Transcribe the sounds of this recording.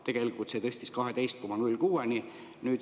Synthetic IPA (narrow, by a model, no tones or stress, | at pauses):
t̪e̞ɡ̥e̞likːˑult̪set̪ɤsʲt̪iskɑɦet̪e̞jst̪̚ko̞mɑnylʲkuːeni | nyːd̪